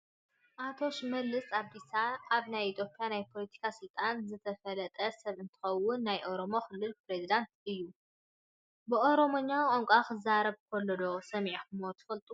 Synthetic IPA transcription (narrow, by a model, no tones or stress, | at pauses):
ʔat̪ʰo̞ʃmɐlːɨsaβd̪isaʔaβnajit̪ʰjo̞pʼijanajpʰo̞lɐt̪ʰi̥kʰasɨlt̪ʼanzɨt̪ʰɐfɐlɐt̪ʼɐsɐβɨnt̪ʰɨ̥xɐwːʊnːajʔo̞ɾo̞mo̞xɨlːɨlpɾezid̪ant̪ɨjːu | bɨʔo̞ɾo̞moɲːawkʼoŋkʷʼakɨzaɾɐβkʰolːɐd̪o̞sɐmʕiħumot̪ʰɨ̥fɐlt̪ʼu